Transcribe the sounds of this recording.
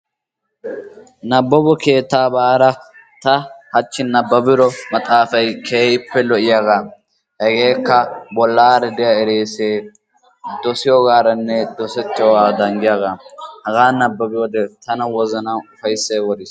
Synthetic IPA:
nɐbːɔbɔkeːt̪ːaːbaːɾɐ | t̪ɐhɐt͡ʃːɪnɐbːɐbɪɾɔmɐt̪ʼaːfɐjkʰeːjɪpːɛlɔʔɪjaɡa | hɛɡeːkːɐbɔlːaːɾɛd̪ɪjɐɛɾeːseː | d̪ɔsɪjɔɡaːɾɐnːɛd̪ɔsɛt̪ːɪjɔwaːd̪ɐŋɡɪjaːɡahɐɡaːnɐbːɐbɪjod̪ɛt̪ɐnɐwɔzɐnaʊfɐjsːeːwɔd̪ɪs

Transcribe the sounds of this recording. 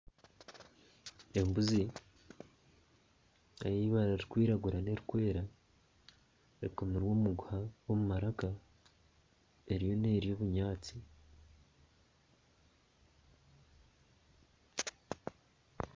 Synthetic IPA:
embuzi | ajiβaɾaɾikwiːɾaɡuɾane̞ɾikwe̞ːɾa | eɾikomiɾwomuɡuhawomumaɾaka | e̞ɾijo̞neːɾijo̞βuɲaːt͡si

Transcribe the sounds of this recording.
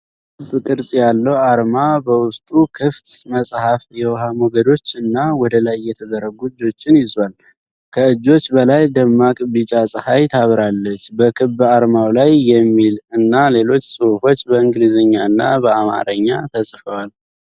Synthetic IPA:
kɨbkʼɨɾsʼjalːəwaɾmabəwʊst̪ʼukʰɨft̪məsʼhafjɛwhamoɡəd̪o̞t͡ʃːɨnːawɔd̪əlajːɛt̪ʰəzəɾəɡuɨd͡ʒːo̞t͡ʃːɪnjɪzwal | kʰəɨd͡ʒːo̞t͡ʃːbəlajd̪əmːakʼbɨt͡ʃʼasʼɨhajt̪ʰaβɾalːət͡ʃːbəkʰɨbaɾmawlajːɛmːilɨnːale̞lo̞t͡ʃːsʼɨhufo̞t͡ʃːbəɨŋɡlizɨɲːaɨnːa̰bəama̰ɾəɲːat̪ʰəsʼfəwal

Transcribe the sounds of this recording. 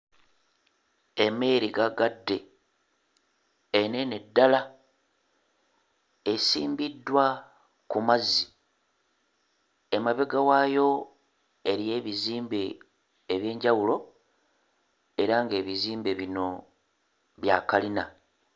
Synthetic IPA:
e̞me̞ɾiɡaɡadːe̞ | nenedːala | esḭːmbidːwa | kumazːi | emaβe̞ɡawajo̞ | e̞ɾije̞ːβiziːmbeː | βje̞ːɲɟawulo̞ | e̞ɾaŋɡe̞ːβiziːmbe̞βino̞ | βjaːkalina

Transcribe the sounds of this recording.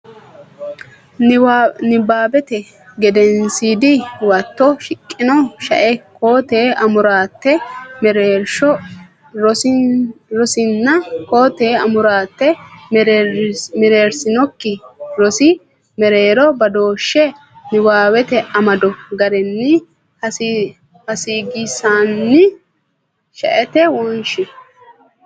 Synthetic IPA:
nɪbaːbɛt̪ɛ | ɡɛd̪ɛnsiːd̪ɪwɐt̪ːɔʃɪkʼːɪnɔʃɐ̰ʔɛko̞ːt̪eːɐmʊɾaːt̪ːɛmɾɾʃɔ | ɾɔ | ɾɔsɪnːɐko̞ːt̪eːɐmʊɾaːt̪ːɛ | mɛɾeːɾsɪnɔkːɪɾɔsɪ | mɛɾeːɾɔbɐd̪o̞ːʃːɛ | nɪwaːwɛt̪ɛʔɐmɐd̪ɔɡɐɾɛnːɪ | hɐ | hɐsiːɡɪsaːnːɪ | ʃɐ̰ʔɛt̪ɛwɔnʃɪ

